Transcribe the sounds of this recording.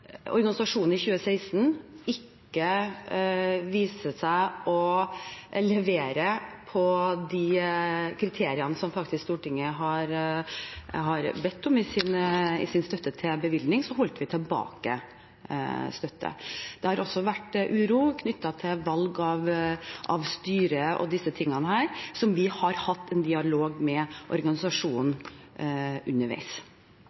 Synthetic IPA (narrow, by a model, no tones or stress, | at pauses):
ɔ̰ɾɡɑnɪsɑʂuːnn̩ɪçʉːəsæɪst̪n̩ɪkːə | ʋiːsəsæɪʔɔ | lɛʋeːɾəpʰɔd̪ɪkʰɾɪt̪ʰeːɾɪɑnəsɔmfɑk̚t̪ɪskst̪uːʈɪŋːəɦɑɾ | ɦɑɾbɛt̪ːɔmɪsɪnɪ̰sɪnst̪œt̪ːət̪ʰɪlbəʋɪld̪nɪŋsɔɦɔlt̪ʋɪt̪ʰɛlbɑ̰ːkə̰ | st̪œt̪ʰːə̰d̪̥ɛhɑɾɔsɔʋæʈːʔʉːɾuːkʰnʏt̪ːɑt̪ʰɪlʋɑlɡɑʋʔɑʋst̪yːɾəɔ̰d̪ɪsːət̪ʰɪŋːɑnəhæːɾsɔmʋɪhɑɾhɑt̪ːɛnd̪ɪɑloːɡmɛʔɔ̰ɾɡɑnɪsɑʂuːn | ʔʉnːəɾʋæ̰ɪs